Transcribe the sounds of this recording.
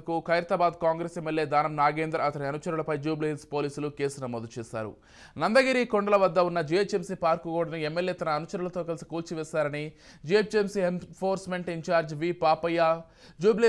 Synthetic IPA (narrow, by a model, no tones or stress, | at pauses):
ɐkukʰɐjɾɐt̪ɐbaːd̪kaːŋɡɾeːsemːelːjeːd̪aːnɐmnaːɡe̞ːnd̪ɾɐɐt̪ɐniɐnut͡ʃɐɾulɐpɐjd͡ʒuːblelspo̞ːliːsuluke̞ːsunɐmoːd̪ut͡ʃɛːsa̰ːɾṵ | nɐnd̪ɐɡiɾikoɳɖɐlɐʋɐd̪ːɐunːɐd͡ʒiet͡ʃemsiːpaːɾkukuːɽɐniemːe̞ljeːt̪ɐnɐːnut͡ʃɐɾulɐt̪o̞ːkɐlisi̥kuːlt͡ʃiʋɛːsaːɾɐnid͡ʒiet͡ʃemsienpʰoːɾsme̞ɳʈiɲt͡ʃaːɾd͡ʒʋiːpaːpɐjːaː | d͡ʒuːble